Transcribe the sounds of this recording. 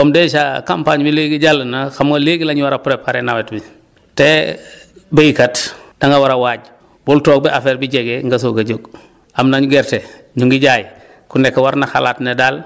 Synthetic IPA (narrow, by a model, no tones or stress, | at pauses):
ɔmdɛːsakampaɲbileɡiɟalːənaxamaleɡilaɲuwaɾapɾɛpaɾɛnawɛtbi | tɛ | bejkatd̥aŋɡɐwaɾawaːɟ̚ | bɔltɔːk̚bɛʔafɛːɾbiɟɛɡeŋɡas̬oɡɐɟoɡ | amnaɲuɡɛɾte | ɲuŋɡiɟaːj | kunɛkːwaɾnaxa̰laːtnedaːl